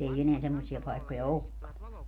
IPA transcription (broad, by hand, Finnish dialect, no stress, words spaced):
ei eneæ semːosiɑ pɑikːojɑ okːɑ